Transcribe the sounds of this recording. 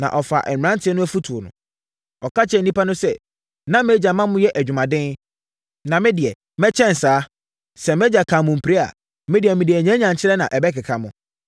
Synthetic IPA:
nã̰˨ʔɔ˨fa̰˨ʔɛ̰˨ã˦ntʰɪ˦ɛ˦nʊ̃˦æ˦fu˦tʰu˨o˨nʊ̰̃˨ | ɔ˨ka˦t͡ɕʰɛ˦˨n̩˨nĩ˦pa˦nʊ̃˦sɛ˨ | nã˦me˦d͡ʑa˨mã˦mʊ̃˦jɛ˦ʔæ˨d͡ʑᶣu˨mã˨dɪ̃˦n | nã˨mɪ̃˦dɪ˨ɛ˨ | mɛ˦t͡ɕʰɛ̃˦n̩˨saː˨˦ | sɛ˨mɛ˦d͡ʑa˨kʰã˨mʊ̃˨m̩˨pʰi˨ɾe˦a̰˨ | mɪ̃˦dɪ˨ɛ˨mɪ̃˨dɪ˨ɛ˨ɲɛ̃˦ɲã˨ɲt͡ɕʰɪ˦ɾɛ˦nã˨ʔɛ˨bɛ˦kɪ˨kʰa˨mʊ̃˨

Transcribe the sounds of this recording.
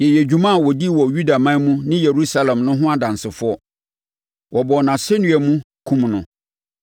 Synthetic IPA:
jɛ˨jɛ˨d͡ʑᶣu˦mã˦˨wɔ˨di˦wɔ˨ju˦da˨mã˦mũ˦nɪ̃˦je˨ɾu˦sa˦lɛ̃˨mnʊ̃˦ɦʊ̃˦a˨dã˨n˨sɪ˨fʊ˦ɔ˦ | wʔɔ˨bɔ˨nã˨sɛ˦nʊ̃˦ɛ˨mũ˦ | kʰũ˦mnʊ̰̃˨

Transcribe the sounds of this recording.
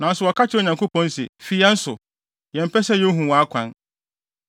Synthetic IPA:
nã˨n̩˦sʊ˨wɔ˨kʰa˦t͡ɕʰɪ˦o˨ɲã˨ŋko˦pʰɔ̃˦n˦sɪ̰˨fi˦a˦n̩˦sʊ˨ | jɛ̃˨m̩˨pʰɛ˦sɛ˦jɛ˦ɦũ˨wɔ˨a˦kʷʰã˨˦n

